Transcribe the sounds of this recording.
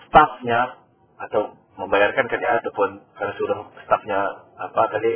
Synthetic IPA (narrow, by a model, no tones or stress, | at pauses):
st̪afɲa | at̪aw | məmbajarkankaliaʔat̪awpʊnkarnasəudaŋst̪afɲaːpakali